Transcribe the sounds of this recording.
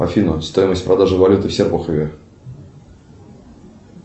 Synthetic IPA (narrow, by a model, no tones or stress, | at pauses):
ɐ̰fʲinʊst̪o̞jɪməsʲtʲpɾɐd̪aʐɨvɐlʲut̪ɨfsʲerpʊxəvʲɪ